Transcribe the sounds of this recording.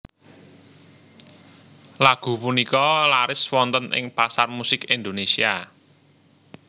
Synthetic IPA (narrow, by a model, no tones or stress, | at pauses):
laɡ̥ṳpunikɔlaɾɪswɔnt̪ənʔɪ̰ŋpasarmusɪkind̪onesia